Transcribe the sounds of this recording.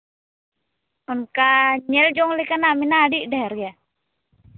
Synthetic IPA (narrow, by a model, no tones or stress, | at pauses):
ɔnkaɲɛld͡ʒɔŋlikanaminadidɛɾja